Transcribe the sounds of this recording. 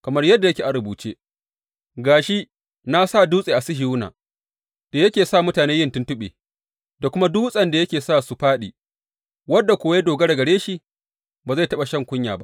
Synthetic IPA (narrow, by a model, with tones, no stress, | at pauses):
kɐ˨mɐ˦rjɐ˦dːa˨jɐ˦kʲeː˨ʔa˨ɽʊ˨buː˨t͡ʃeː˦ | ɡaː˨ʃi˦ | na˦sa˦˨duː˦sʼeː˨ʔa˨sɪ˦ɦi˨wʊ˦na̰ː˨ | d̥a˨jɐ˦kʲeː˨saː˦˨mʊ˦taː˨neː˦jɪ˦ntʊ˦ntʊ˦ɓḛː˨ | da˨kʷʊ˦ma˦duː˦sʼɐ˨nda˨jɐ˦kʲeː˨saː˦˨su˨ɸaː˦ɗḭ˨ | wɐ˦dːa˨kʷoː˨wja˦doː˨ɡɐ˦ɽɐ˨ɡɐ˨ɽeː˦ʃi˨ | baː˨za˦˨jtɐ˦ɓa˨ʃɐ˦ŋkʷʊ˦ɲjaː˨ba̰˦ʔ